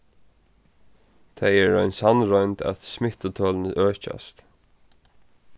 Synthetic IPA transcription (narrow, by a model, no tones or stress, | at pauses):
t̪ʰajɛɹɔjnsanɹɔjnt̪æ̰t̪smɪt̪ʊt̪ʰɔːlnəʔœːɹt͡ʃa̰st̪